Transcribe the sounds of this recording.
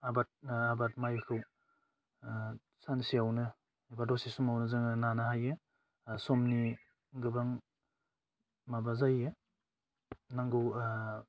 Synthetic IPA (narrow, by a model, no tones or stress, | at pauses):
abat̚abatmajkʰɯw | sansiawnɯ | abadɔsisɔmawnɯzɯŋɯnanaɦajɯ | sɔmni | ɡɯbaŋ | mabazaje | naŋɡɯw